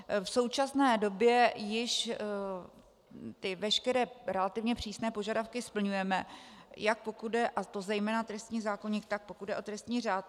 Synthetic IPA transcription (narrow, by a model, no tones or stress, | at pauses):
fso̞wt͡ʃasnɛːdo̞bjɛjɪʃ | t̪ɪvɛʃkɛɾɛːɾɛlat̪ɪvɲɛpr̝̥iːsnɛːpo̞ʒadafkɪspl̩ɲujɛmɛjak̚po̞kuddɛʔat̪o̞zɛjmɛːnat̪ɾɛst̪ɲiːzaːko̞ɲiːxt̪ak̚po̞kud̪dɛʔo̞t̪ɾɛst̪ɲiːraːt̪